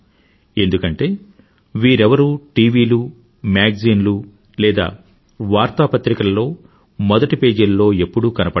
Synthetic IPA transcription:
e̞nd̪ukɐɳʈe̞ː | ʋiːɾɛʋɐɾuːʈiːʋiːlu | maːɡziːnlu | lɛːd̪a̰ː | ʋaːɾt̪aːpɐt̪ɾikɐlɐlo̞ː | mɔd̪ɐʈipeːd͡ʒɐllo̞ːe̞pːuɽukɐnɐpɐ

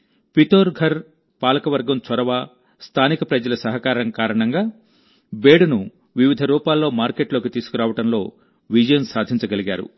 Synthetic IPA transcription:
pit̪oːɾɡʱɐɾ | paːlɐkɐʋɐɾɡɐmt͡ʃɐɾɐʋaː | st̪ʰaːnikɐpɾɐd͡ʒɐlɐsɐɦɐkaːɾɐŋkaːɾɐɳɐŋɡaː | beːɽɐnu | ʋiʋid̪ʱɐɾuːpaːlːo̞ːmaːɾkeʈlo̞ːkit̪iːsu̥kuɾaːʋɐʈɐmlo̞ː | ʋid͡ʒɐjɐnsaːd̪ʱiɲt͡ʃɐɡɐliɡa̰ːɾṵ

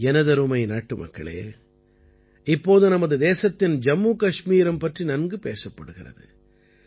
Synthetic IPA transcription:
ɛnɐðɐɾɯmɐɪnaːʈːɯmʔɐ̰kːɐ̰ɭḛː | ɪpːoːðɯnɐmɐðɯd̪eːsɐt̪ːɪnd͡ʒɐmːuːkɐʂmiːɾɐmpɐʈrinɐnɡɯpeːsɐpːɐɽɯɣɪrɐ̰ðɯ̰

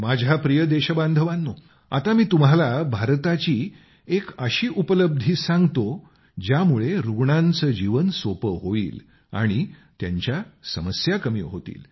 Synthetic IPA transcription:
mad͡ʑʱapɾijəd̪eɕəbãnd̪ʱəʋanːo | a̰t̪amiːt̪um̤alabʱaɾt̪at͡ɕiː | ekəɕiːʔupələb̚d̪ʱiːsãŋɡt̪o | d͡ʑjamuɭeɾuɡɳãnt͡səːd͡ʑiʋənsopəɦoḭːl | a̰ɽ̃it̪ja̰ɲt͡ɕjasəməsjakəmḭːɦot̪ḭːl

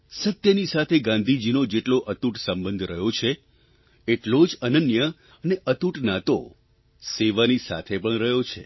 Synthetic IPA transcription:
sət̪jənisat̪ʰeɡãnd̪ʱid͡ʒinod͡ʒeʈloʔət̪uʈsə̃mbə̃nd̪ʱɾəɦjot͡ʃʰe | eʈlod͡ʒənənjə | əneʔət̪uʈnat̪o | seʋanisa̰t̪ʰepəɳɾəɦjot͡ʃʰḛ

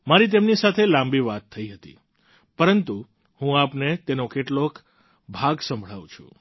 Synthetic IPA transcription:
maɾit̪̬emnisat̪ʰelãmbiʋat̪ʰːəiɦət̪ḭ | pəɾənt̪u | hũapnet̪enokeʈlok | bʱaɡsə̃mbʱɭaʋũt͡ʃʰṵ̃

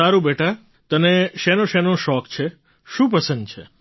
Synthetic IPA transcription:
aɾũbeʈa | t̪əneʃenõʃenoʃɔkt͡ʃʰe | ʃũp̬əsə̃nd̪̚t͡ʃʰe

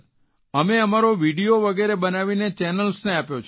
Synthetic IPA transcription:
əmeəmaɾoʋiɖioʋəɡeɾebənaʋinet͡ʃɛnəlsneapjot͡ʃʰ

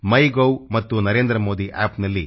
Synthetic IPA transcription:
mɐjɡowmɐt̪ːunɐɾe̞ːnd̪ɾɐmo̞ːd̪iʔa̰ːpnɐlːi

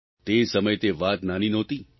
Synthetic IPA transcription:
t̪esəməjt̪eʋat̪naninɔt̪i

